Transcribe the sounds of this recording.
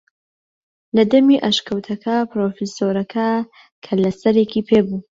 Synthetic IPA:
lɐd̪ɐmiʔɐʃkɐwt̪ʰɐkʰɐpɾoːfisoɾɐkʰɐ | kʰɐlɐsɐɾekiːpʰeːbu

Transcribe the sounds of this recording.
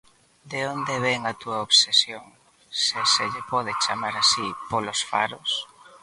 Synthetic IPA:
d̪eond̪eβɛŋat̪uɐoβsesjoŋ | seseʎepɔðɪt͡ʃamaɾasipolosfa̰ɾos

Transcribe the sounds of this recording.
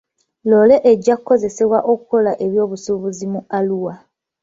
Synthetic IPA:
lole̞ʔeɟːakuko̞ze̞se̞βwaʔo̞kuko̞laʔe̞βjo̞ːβusuβuzimualuwa

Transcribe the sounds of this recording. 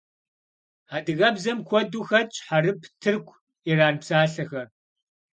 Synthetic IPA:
aːdɨɣɐbzɐmkʷʰɔduxɐt͡ʃʼħaɾɨpʰtʰɨrkʷʰ | iɾaːnpsaːɬɐxɐr

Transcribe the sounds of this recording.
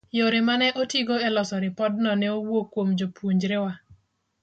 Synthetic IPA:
joɾɪmanɛʔotiɡoɛlɔsɔɾɪpɔd̚nɔnɛowokːwomd͡ʒopwuɲd͡ʒɾɪwa

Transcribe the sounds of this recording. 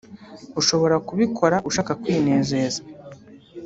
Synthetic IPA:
uʃo̞βo̞ɾakuβikʰo̞ɾaʔuʃaːkakwiːne̞ːze̞ːza

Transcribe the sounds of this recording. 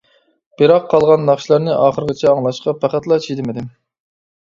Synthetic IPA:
b̥ɪɾɑqʰːɑlˠʁɑnːɑχʃlˠɑɾnɨʔɑːχəɾɡʲɪt͡ʃʰɛɑŋlˠɑʃqɑpʰæχæt̪lˠɑt͡ʃʰid̪ɪmɪd̪ɪm

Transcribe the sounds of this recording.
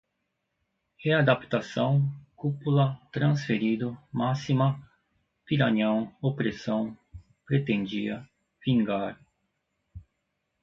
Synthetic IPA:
head̪apt̪asɐ̃w̃kupulɐt̪ɾɐ̃sfeɾid̪ʊmasimɐ | piɾɐɲɐ̃w̃opɾesɐ̃w̃ | pɾet̪ẽnd͡ʒiɐ | v̥ĩŋɡaɾ

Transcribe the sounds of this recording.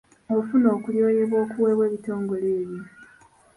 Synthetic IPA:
ofuno̞ːkuljo̞ːjeβwo̞ːkuweːβwe̞ːβito̞ːŋɡo̞leːβjo

